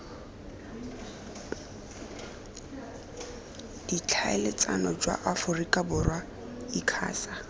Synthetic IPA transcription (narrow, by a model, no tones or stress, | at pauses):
d̥it͡ɬʰaɛlɪt͡sʼanɔd͡ʒwa̰ʔafʊrikʼabʊrwa | ikʰa̰ːsa